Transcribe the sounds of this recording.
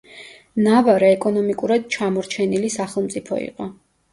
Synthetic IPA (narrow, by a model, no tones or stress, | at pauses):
navaɾɛːkʼɔnɔmikʼuɾad̪̚t͡ʃʰamɔɾt͡ʃʰɛnilisaχɛlˠmt̪sʼipʰɔ̰ḭqʼɔ